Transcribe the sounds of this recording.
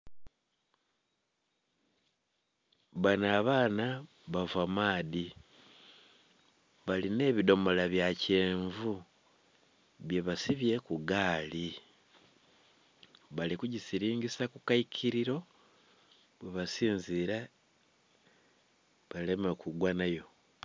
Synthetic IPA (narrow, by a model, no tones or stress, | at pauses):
βanaːβaːna | βavamaːdi | βaline̞ːβido̞molaβjace̞ːɱvu | βje̞βasiβje̞kuɡaːli | βalikuɟisiɾiːŋɡisakukaikʰiɾiɾo̞ | βweβasiːnziɾa | βalemekʰuɡwanajo̞